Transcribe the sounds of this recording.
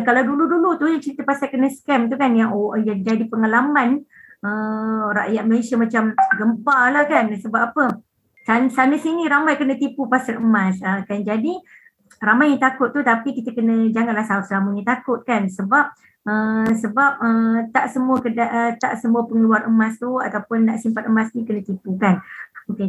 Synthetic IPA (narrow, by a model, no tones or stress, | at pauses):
kalawduludulut̪ujat͡ʃəɾit̪əpasakənəskɛmt̪ukanjaŋojad͡ʒadipəŋalamanəɾa̰ʔjat̪̚məlesiamat͡ʃamɡəmpalahkansəbap̚apə | sansanəsinĩɾamajkənət̪ipupasaləmasəkand͡ʒadi | ramajɲit̪akʊt̪ːut̪apikit̪əkənə̃d͡ʒaŋanlahsaʊt̪səlaməɲĩt̪akʊt̪̚kansəbap̚ | əsəbap̚ət̪aʔsəmuəkədaʔət̪a̰ʔsəmuəpəŋəluaɾəmãst̪uat̪awpʊnːaʔsimpat̪əmasnikənə̃t̪ipukanoke